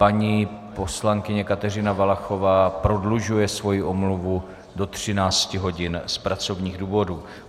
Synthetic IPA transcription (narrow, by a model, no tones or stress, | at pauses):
paɲiːpo̞slaŋkɪɲɛkat̪ɛrɪnavalaxo̞vaːpɾo̞dluʒujɛsvo̞jiʔomluvu | do̞t̪r̝̥ɪnaːt͡scɪɦo̞ɟɪnspɾat͡so̞vɲiːɣduːvo̞duː